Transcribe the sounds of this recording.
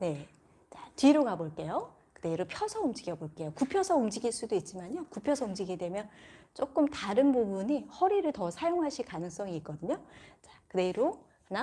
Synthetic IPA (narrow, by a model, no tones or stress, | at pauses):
ne̞ | t͡ɕatiɾoɡaboɭk͈e̞jo | kɯde̞ɾopʰjʌsʰʌumd͡ʑiɡjʌboɭk͈e̞jokupʰjʌsʰʌumd͡ʑiɡiɭs͈udoit̚t͡ɕ͈imaɲokupʰjʌsʰʌumd͡ʑiɡedwe̞mjʌnt͡ɕ͈ok͈ɯmtaɾɯnbobuɲihʌɾiɾɯɭtʌsʰajoŋɦaɕʰikanɯŋs͈ʌŋiːk͈ʌdɯɲot͡ɕakɯde̞ɾo | na